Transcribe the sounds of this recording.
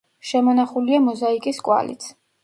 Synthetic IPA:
ʃɛmɔnaχuliamɔzaikʼiskʼwa̰lḭt̪sʰ

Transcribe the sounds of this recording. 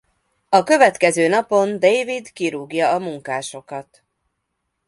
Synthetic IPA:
ɒkø̞vɛt̪kɛzøːnɒpo̞nd̪ejvid̪kiɾuɡjɒːmuŋkaːʃo̞kɒt̪

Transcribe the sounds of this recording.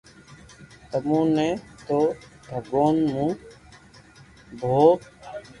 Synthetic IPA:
t̪əmũːnẽːt̪oːb̪ʱəɡoːnmũː | bʱoː

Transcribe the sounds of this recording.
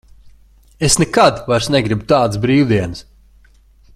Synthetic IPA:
esnɛkad̪vajɾsnɛɡɾibt̪aːd̪sbɾiːwd̪iɛnɨs

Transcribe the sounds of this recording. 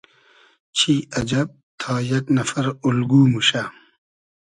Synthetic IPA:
t͡ɕʰiːɐd͡ʑɐb̚t̪ʰaːjɐknɐfɐɾulɡuːmuɕa

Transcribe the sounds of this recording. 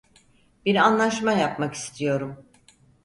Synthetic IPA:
biɾanlˠaʃmajapmaki̥st̪ʰijo̞ɾum

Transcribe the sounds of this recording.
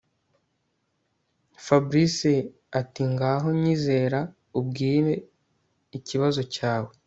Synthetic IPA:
fabɾisi | atiŋɡaːɦo̞ɲiːze̞ːɾa | ub̚ɡiːɾe̞ | iciβazo̞caːwe̞

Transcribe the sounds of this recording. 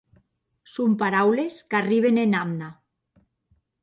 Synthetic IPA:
sompaɾawleskariβ̞enenamna

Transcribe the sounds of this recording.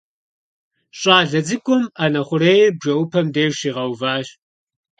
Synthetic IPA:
ɕʼaːɮɐd͡zɨkʷʰʼʊmanɐχʷʊreːjɛbʒɐwʊpʰɐmdeːɕiːʁɐwvaːɕ

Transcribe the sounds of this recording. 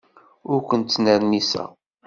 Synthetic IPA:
ʊɾkʷənt̪ːnəɾnisæ̰

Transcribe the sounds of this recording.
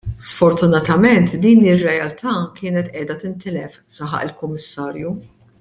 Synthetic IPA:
sfɔɾt̪ʊnɐt̪ɐmɛnt̪d̪iːnɪrːɛjɐlt̪ʰɐːkɪːnɛt̪ʔɛːd̪ɐt̪ɪnt̪ɪlɛf | sɐħɐ̰ʔɪlkʊmːɪsːɐːɾju

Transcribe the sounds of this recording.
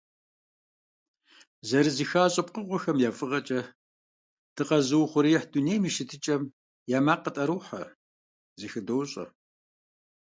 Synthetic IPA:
zɐɾɨzixaːɕʼɐp̚qəʁʷɔxɐmjaːfʼɨʁɐt͡ʃʼɐ | d̥ʰɨqɐzɨwχʷʊɾijɛħdunejmiːʃɪtʰɨt͡ʃʼɐm | jaːmaːqətʼɐɾuːħɐ̰ | ziːxɨdɐwɕʼɐ̰

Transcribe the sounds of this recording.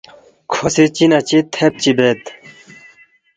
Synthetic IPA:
kʰosit͡ɕinɐt͡ɕit̪ʰep̚t͡ɕibet̪

